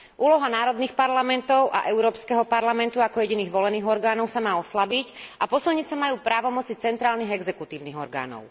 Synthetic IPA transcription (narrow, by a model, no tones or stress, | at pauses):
ʔuːlɔɦanaːɾɔd̪niːxpaɾlamɛnt̪ɔʊʔa̰ʔɛʊɾɔːpskɛɦɔpaɾlamɛnt̪uakɔjɛɟiniːɣʋɔlɛniːɣɔɾɡaːnɔʊsamaːɔslabicapɔsilɲit͡sɛmajuːpɾaːʋɔmɔt͡sit͡sɛnt̪ɾaːlniːɦɣɛɡzɛkut̪iːʊniːɣɔ̰ɾɡa̰ːnɔ̰ʊ